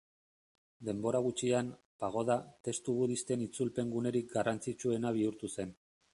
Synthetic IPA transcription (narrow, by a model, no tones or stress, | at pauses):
d̪e̞mbo̞ɾaɣ̞ut͡ʃian | paɣ̞o̞ð̞at̪e̞st̪uβuðist̪e̞nit͡sulpe̞ŋɡune̞ɾik̚ɡarant͡sit͡ʃue̞naβ̞iuɾt̪use̞n